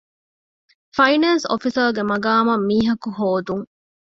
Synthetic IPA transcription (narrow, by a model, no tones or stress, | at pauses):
fɐjnɐnso̰fisɐɾɡemɐɡaːmɐmːiːɦɐkuɦoːd̪uŋ